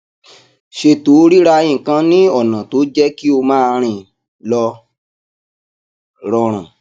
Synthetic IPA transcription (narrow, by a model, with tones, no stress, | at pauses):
ʃe˧to˨˦ɾi˦ɾa˧j̃ĩ˦˨kã˧nĩ˦ɔ˦˨nã˨to˨˦d͡ʒɛ˦ki˦o˧mãː˦˧ɾ̃ĩ˧˨ | lɔ˧ | ɾɔ˧ɾ̃ã̰˨